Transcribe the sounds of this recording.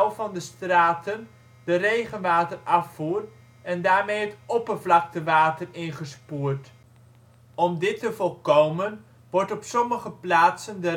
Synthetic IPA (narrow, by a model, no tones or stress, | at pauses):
lˠvɑndəstraːtən | dərejχənʋaːtərɑfuːr | ɛndaːɹmejɦətɔpərvlɑk̚təʋaːtərɪnχəspuːrt | ɔmdɪtəvɔlˠkowmən | ʋɔɹtɔpsɔməχəplaːtsəndə